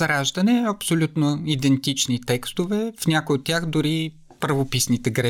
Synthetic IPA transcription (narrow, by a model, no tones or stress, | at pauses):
ɾaʒd̪ɐnɛɐpsolʲut̪noid̪ɛnt̪it͡ʃnit̪ɛkst̪ovɛfnʲakojot̪ːʲjaxd̪ʊɾi | pɾvopisnit̪ɛɡɾɛ